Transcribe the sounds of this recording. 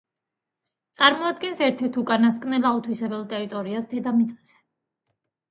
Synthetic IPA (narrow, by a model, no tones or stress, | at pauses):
t̪sʼaɾmɔad̪ɡɛnsɛɾt̪ʰɛɾt̪ʰukʼanaskʼnɛlˠaut̪ʰwisɛbɛlˠt̪ʼɛɾit̪ʼɔɾiasd̪ɛd̪amit̪sʼqʼɛz̥ɛ̥